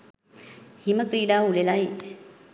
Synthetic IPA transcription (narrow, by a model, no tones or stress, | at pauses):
himəkɾiːɖaːulelai